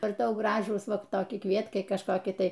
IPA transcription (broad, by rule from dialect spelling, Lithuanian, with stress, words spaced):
ɐr ˈtɐʊ ˈɡrɑːʒuːs ˈʋɐ toːˈkʲɪ ˈkʋʲiɛtkɐɪ kɐʃˈkoːkʲɪ ˈtɐɪ